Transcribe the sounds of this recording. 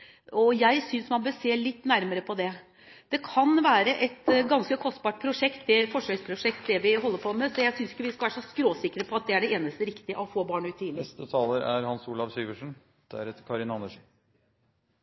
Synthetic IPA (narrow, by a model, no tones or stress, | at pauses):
ɔjæɪsʏnsmɑnbøːɾseːlɪt̪ːnæɾməɾəpʰɔd̪ɛ | d̪̥ɛkʰɑnʋæːɾəʔɛt̪ɡɑnskəkʰɔst̪̚bɑːʈ̚pʰɾʊʂɛkt̪d̪ɛfɔʂœʏspʰɾʊʂɛk̚t̪d̪ɛʋɪɦɔlːəɾpʰɔmɛsɔjæɪsʏnsɪ̥kːəʋɪskɑʋæːɾʂɔskɾoːsɪkːəɾəpʰɔɑt̪̚d̪ɛæɖɛeːnəst̪əɾɪkt̪ɪəʔɔfoːbɑːɳʉːt̪ʰːiːɪst̪ət̪ʰɑːləɾæɾhɑnsuːlɑʋsyːʋəʂn̩ | d̪̥æɾɛt̪kʰɑɾɪnɑnəʂ